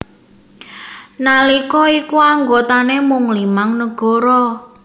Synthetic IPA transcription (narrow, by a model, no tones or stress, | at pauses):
nalikɔikuaŋɡot̪anemʊŋlimaŋnəɡ̥ɔɾɔ